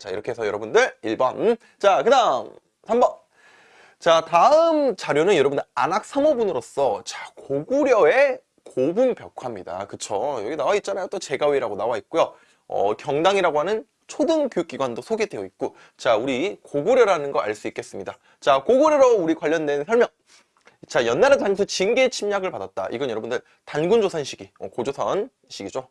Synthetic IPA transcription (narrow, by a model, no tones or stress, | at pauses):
t͡ɕaḭɾʌkʰe̞esʰʌjʌɾʌbundɯɭiɭbʌn | t͡ɕakɯnaŋ | sʰambʌ | t͡ɕataɯmt͡ɕaɾjonɯnjʌɾʌbundɯa̰nak̚s͈ʰamʌbunɯɾos͈ʌt͡ɕakoɡuɾjʌe̞ | kobumpjʌkʰamɲida̰kɯt͡ɕʰojʌɡinawait̚t͡ɕ͈anajot͈ot͡ɕe̞ɡaweiɾaɡonawait̚k͈ujo | ʌ̰kjʌŋdaŋiɾaɡoɦanɯn | t͡ɕʰodɯŋkjuk͈iɡwandosʰoɡedwe̞joit̚k͈o | t͡ɕauɾikoɡuɾjʌɾanɯnɡʌɾʔa̰ɭs͈uik͈e̞s͈ɯmɲida | t͡ɕakoɡoɾjʌɾouɾikwaʎːʌndwe̞nsʰʌɭmjʌŋ | t͡ɕajʌnːaɾetaŋesʰʌt͡ɕinɡet͡ɕʰimɲaɡɯɭpadat̚t͈a̰ʔḭɡʌnjʌɾʌbundɯɭ | tanɡund͡ʑosʰʌnɕʰiɡiʌkod͡ʑosʰʌn | ɕʰiɡid͡ʑo